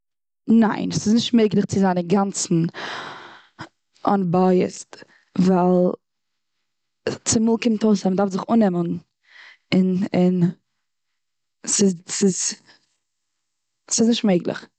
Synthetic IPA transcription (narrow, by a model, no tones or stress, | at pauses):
naɪnsɪznɪʃtmeɪɡlˠɪχt͡sɪzaɪnəɡant͡sn̩ | ɔ̰nbaɪə̰st | valˠ | t͡sɪmulˠkɪmtʰoʊsamdafzɪχunɛmən | ɪnɪn | sɪsɪz | sɪznɪʃtmeɪɡlˠɪ̰χ